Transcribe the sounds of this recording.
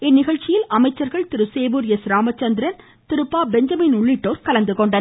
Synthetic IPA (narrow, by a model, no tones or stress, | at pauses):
ɪnːɪɣɐɻt͡ʃːɪjɪlɐmɐɪt͡ʃːɐɾɣɐɭt̪ɪɾɯseːʋuːɾjɐsɾaːmɐt͡ʃːɐnd̪ɪɾɐn | t̪ɪɾɯpːaːbɛɲd͡ʒɐmiːnʊɭːɪʈːoːɾkɐlɐnd̪ɯkɔɳɖɐn